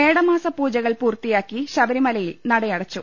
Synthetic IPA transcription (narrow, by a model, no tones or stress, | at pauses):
eːɽɐmaːsɐpuːd͡ʑɐɣɐɭpuːrt̪ijaːkːiɕɐʋɐɾimɐlɐjilnɐɽɐjɐɽɐt͡ɕːu